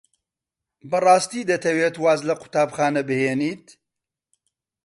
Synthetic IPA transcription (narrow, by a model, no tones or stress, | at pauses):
bɐrˤɑːst̪iːd̪ɐt̪ʰɐweːt̪waːzlɐqʊ̥t̪aːbxaːnɐbɨheːniːt̪